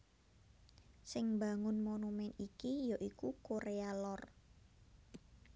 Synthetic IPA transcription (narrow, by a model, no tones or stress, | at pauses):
sɪŋba̤ŋʊnmonumɛnikijoʔikukoɾealɔr